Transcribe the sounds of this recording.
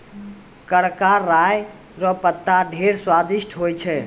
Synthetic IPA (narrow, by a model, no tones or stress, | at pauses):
kəɽkaɾaj | ɾɔpət̪ːaɖʱeɾswad̪iʃʈʰɦojt͡ʃʰɛ